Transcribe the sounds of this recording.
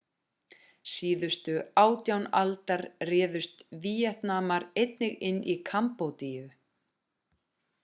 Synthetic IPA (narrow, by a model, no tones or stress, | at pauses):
siːðʏst̪ʏaːwt̪jawnalt̪aɾrɛːðʏst̪viːjɛht̪naːmaɾejt̪nɪɣɪnːʔikʰampowt̪iːjʏ